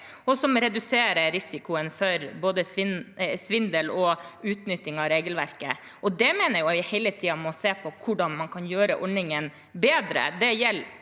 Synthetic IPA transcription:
ɔsɔmɾɛd̪ʉseːɾəɾɪsɪkʊənfœɾboːd̪əsʋɪnsʋɪnd̪əlɔʉːt̪nʏt̪ːɪŋɑɾeːɡəlʋæɾkə̰ | ʔɔd̪ɛmɛːnəɾjʊʋɪhɛɪlət̪ʰiːɑmɔseːpʰɔkʰʊɖɑnmɑnkʰɑnjøːɾəʔɔɳɪŋən | beːd̪ɾə̰d̪ɛjɛlː

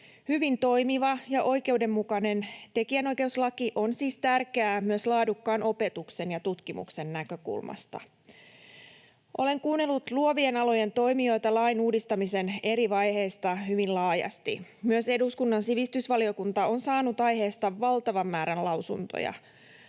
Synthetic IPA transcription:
hyʋint̪o̞jmiʋɑjɑʔo̞jke̞ude̞mːukɑne̞nt̪e̞kiæno̞jke̞uslɑkiʔo̞nsiːst̪ærkeæːmyøslɑːdukːɑːnʔo̞pe̞t̪ukse̞njɑt̪ut̪kimṵkse̞nːækø̞kṵlmɑ̰st̪ɑ̰ | ʔo̞le̞ŋkuːnːe̞lːut̪luoʋie̞nɑlo̞je̞nt̪o̞jmio̞jt̪ɑlɑjnuːdist̪ɑmise̞ne̞ɾiʋɑjhe̞jst̪ɑɦyʋinlɑːjɑ̰st̪ḭmyøse̞duskunːɑnsiʋist̪ysʋɑlio̞kunt̪ɑo̞nsɑːnut̪ɑjɦe̞ːst̪ɑʋːɑlt̪ɑʋɑmːæːɾænlɑwsṵnt̪o̰jɑ̰

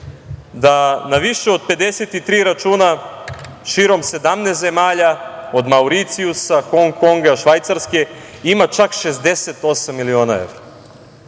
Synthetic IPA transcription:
d̪anaʋiʃeod̪̚pe̞d̪eset̪it̪ɾiːɾat͡ʃuːna | ʃiːɾo̞mse̞d̪amnesze̞maːʎao̞d̪mauɾit̪siusaxoŋko̞ŋɡaʃʋajt̪saɾske̞ | imat͡ʃakʃe̞zd̪ese̞t̪o̞samːilio̞ːnaḛʋɾa

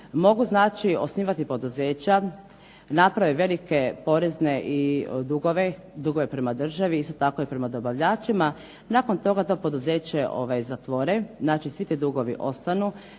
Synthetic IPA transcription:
mo̞ɡuznaːt͡ʃio̞sniːʋat̪ipo̞d̪uzeːt͡ɕa | napɾaʋeʋe̞like̞po̞ɾezne̞ʔid̪uɡoʋed̪uɡo̞ʋe̞pɾe̞mad̪r̩ʒaʋiist̪o̞t̪ako̞ipɾe̞mad̪o̞baʋʎaːt͡ʃima | nako̞nt̪o̞ɡat̪o̞ːpo̞d̪uzeːt͡ɕe̞ʔo̞̰ʋajzat̪ʋo̞ɾeznaːt͡ʃisʋit̪id̪uɡo̞ʋḭʔo̞st̪anu

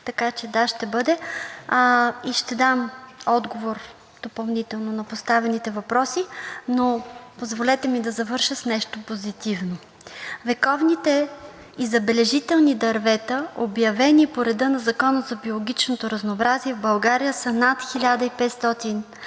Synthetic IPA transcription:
t̪ɐkat͡ʃɛd̪aʃt̪ɛbɤd̪ɛ | iʃt̪ɛd̪amɔd̪ɡovoɾ | d̪̥opɐlˠnit̪ɛlˠnonɐpost̪avɛnit̪ɛvɐpɾɔsinopozvolɛt̪ɛmid̪ɐzɐvɤɾʃəsnɛʃt̪opozit̪ivno | vɛkɔvnit̪ɛ | izɐbɛlɛʒit̪ɛlˠnid̪ɐɾvɛt̪ɐobjɐvɛnipoɾɛd̪ɤnɐzɐkɔnəzɐbiolˠoɡʲit͡ʃnot̪oɾɐznoːbɾaziɛvbɐlˠɡaɾijəsənat̪xilʲad̪əipɛt̪st̪ɔt̪in

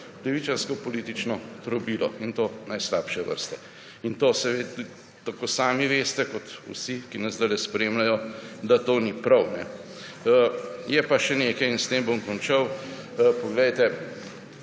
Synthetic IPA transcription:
lɛʋit͡ʃanskɔpɔliːt̪it͡ʃnɔt̪ɾɔbiːlɔ̰int̪onajslaːpʃɛʋə̰ɾst̪ɛ | int̪oːsɛʋeːd̪ | t̪akoːsaːmiʋeːst̪ɛkɔt̪ṵsikinɐzd̪alɛspɾeːmlajɔd̪at̪oːnipɾɐwnɛ̰ | jɛpaʃɛneːkɐjinst̪eːmbomkɔnt͡ʃɐw | pɔɡlejt̪ɛ

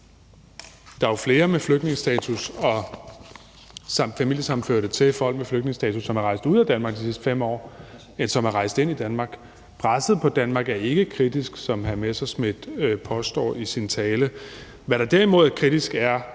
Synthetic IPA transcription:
d̥ɑ̈fle̝ːɐmefløɡ̥ne̝ŋəsd̥ɛːt͡sʰusɒ̽ | sɑmfæmil̰jəsɑ̈mn̩føɐɾ̥ət͡sʰe̝lfɒɦɒl̰b̥mefløɡ̥ne̝ŋəsd̥ɛ̰ːt͡sʰusːɒmæɐʁɑ̈ɪsd̥uð̞̰ˠæd̥ænmɑ̈ɡ̥d̥isisd̥ə̥fem̰ɒ̰ː | ensɒ̽mæɐʁɑ̈ɪsd̥ˠe̝n̰id̥ænmɑ̈ːɡ̥ | pʰʁɑsəð̩ˠpʰɒ̽d̥ænmɑ̈ːɡ̥æɐe̝ɡ̥əkʰʁid̥isɡ̥sɒ̽mɦæɐmesɑsmed̥øpʰɒ̽sd̥ɒ̰ːisint͡sʰɛːlə | ʋæɾ̥ɑ̈d̥eɐimo̝ð̞̰ˠæɐkʰʁid̥isɡ̥æɐ

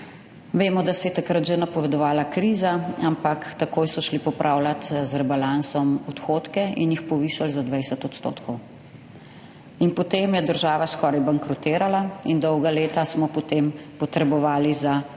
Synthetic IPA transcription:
ʋeːmɔd̪asɛjɛt̪akɾat̪ʒɛnapɔʋɛd̪ɔʋaːlakɾiːzaampakt̪akoːjsɔʃlipɔpɾʔaːwlat̪zɾɛbalansɔmɔt̪xoːt̪kɛinjixpɔʋiːʃalzad̪ʋɛjsɛt̪ɔt̪st̪o̰ːt̪kʰɔw | inpɔt̪emjɛd̪əɾʒaːʋaskɔːɾajbaŋkɾɔt̪eːɾalaind̪ɔwɡaleːt̪asmɔpɔt̪eːmpɔt̪ɾɛbɔʋaːliza

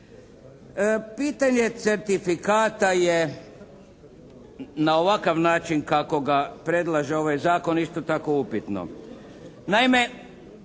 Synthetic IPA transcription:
piːt̪aɲe̞t̪se̞ɾt̪ifikaːt̪aje | naoʋakaʋnaːt͡ʃinkako̞ɡapɾe̞d̪lˠaʒeo̞ʋajzaːko̞nist̪ot̪ako̞upit̪no̰ | naime̞

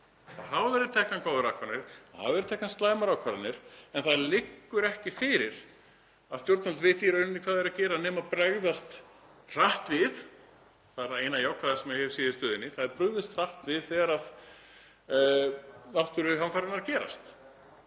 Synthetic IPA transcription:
θahawvɛɾɪɾt̪ʰɛhkankʰaːwðʏɾawhkʰvaɾnɪɾha̰vɛɾʏt̪ɛhknanst̪laːjmaɾawkʰvaɾanɪɾ̥ɛnθaðlɪkːʏɾɛhcɪfɪːɾɪɾ̥ | aðst̪jowɾt̪nalt̪vɪːt̪ɪjɛɾœɥnʏnːɪkʰvaːðɛɾacɛːɾanɛmaðpɾɛɣðast̪ | r̥aht̪vɪð | θaðɛɾθaðeːjnajawkʰaðasɛmɛhɛvsɛːðɪst̪œːðɪnːɪθaðɛɾpɾʏɣðɪst̪r̥aht̪vɪðθɛːɣaɾað | nawht̪ʏɾʏɦanfaːɾʏnaɾacɛːɾa̰st̪

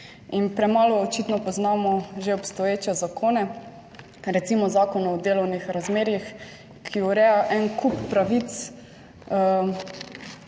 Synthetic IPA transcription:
inpɾɛmaːlɔːt͡ʃiːt̪nɔpɔznaːmɔʒeɔpst̪ɔjeːt͡ʃɛzakʰoːnɛ | ɾɛt̪simɔzaːkɔnɔd̪eːlɔwnixɾazmeːɾjix | kʰiɔɾɛːjaʔɛnkupːɾaʋit̪s | ə

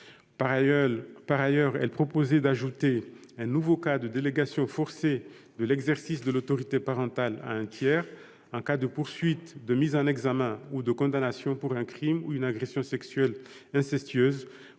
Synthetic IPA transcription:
paʁajœʁɛ̰lpχɔpozɛd̪aʒut̪eɛ̃nuvokad̪əd̪eleɡasjɔ̃fɔʁse | d̪əlɛɡzɛʁsisd̪əlot̪ɔʁit̪epaʁɑ̃t̪ala̰ɛ̃t̪jɛːʁ | ɑ̃kad̪əpuʁsɥit̪d̪əmizɑ̃nɛɡzamɛ̃ud̪əkɔ̃d̪anasjɔ̃puʁɛ̃kχimuynaɡʁesjɔ̃sɛksɥɛlɛ̃sɛst̪ɥøz

